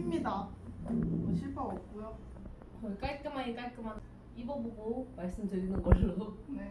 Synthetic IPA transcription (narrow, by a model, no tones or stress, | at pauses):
imɲida | ʌɕʰiɭpʰaʌp̚k͈ujo | ʌk͈aɭk͈ɯmaɲik͈aɭk͈ɯman | ibʌboboomaɭs͈ɯmdɯɾinɯnɡʌsʰiɾodone